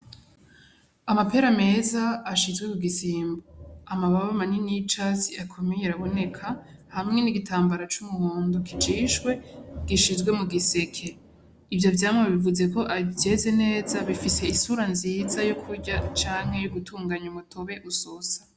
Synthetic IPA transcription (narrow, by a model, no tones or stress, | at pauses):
amape̞ɾame̞zaːʃizɡwemuɡisiːmboamaβaβamaninit͡ʃaziakʰo̞mejeɾaβo̞ne̞kʰahamŋe̞niɡitaːmbaɾat͡ʃumuhoːndokʰid͡ʒiːʃɡwe̞ɡ̥iʃizɡwe̞muɡise̞kʰe̞ | ivjovjaːmŋeβivuze̞ko̞ʔavje̞ze̞ne̞ːzaβifise̞isuɾanziːzajokʰuɾɟat͡ʃaːŋ̥he̞juɡutuːŋɡaɲumutʰo̞βe̞ʔusosḁ